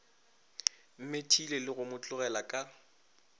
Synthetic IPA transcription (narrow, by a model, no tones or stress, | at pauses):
m̩metʰilelɪɣʊmʊt͡ɬʼʊɣɛlakʼa